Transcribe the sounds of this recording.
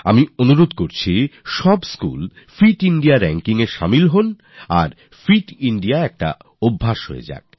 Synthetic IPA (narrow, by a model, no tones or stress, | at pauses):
a̰mionuɾod̪koɾt͡ɕʰiʃɔbskṵl | fiʈiɳɖiaɾɛŋkiŋeʃa̰milɦon | a̰ɾ | fɾiʈiɳɖiaɛk̚ʈa̰ | obʱːaʃɦo̰ḛd͡ʑa̰k̚